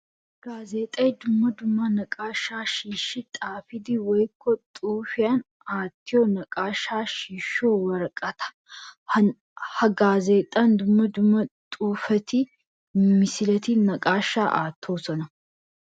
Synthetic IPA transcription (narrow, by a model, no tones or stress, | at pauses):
ɡ̥aːzeːt̪ʼɐjd̪ʊmːɐd̪ʊmːɐnɐkʼaːʃːaːʃiːʃːɪt̪ʼaːfɪd̪iwɔjkːɔt̪ʼuːfɪjan | aːt̪ːɪjɔnɐkʼaːʃːaːʃiːʃːoːwɐɾɐkʼɐt̪ʰɐ̥ | hɐɡaːze̞ːt̪ʼːɐnd̪ʊmːɐd̪ʊmːɐt̪ʼuːfɐt̪i | mɪsɪlɐt̪inɐkʼaːʃːaːʔa̰ːt̪ʰːoːsɔnɐ